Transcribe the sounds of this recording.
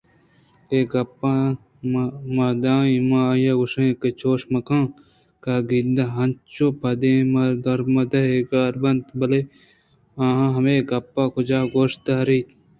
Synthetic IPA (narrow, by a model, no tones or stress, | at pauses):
eɡɐpːa | mad̪ãːimãːjaɡuʂɐ̃ket͡ʃʰoːʂmɐkãː | kaɡid̪ɐɦɐ̃nt͡ʃopɐd̪ẽːmɐd̪ɐɾmɐd̪ɐeɡaːɾbɐnt̪bɐle | ãːɦãɦɐmeːɡɐpːaːkod͡ʒaːɡoːʂt̪aːɾit̪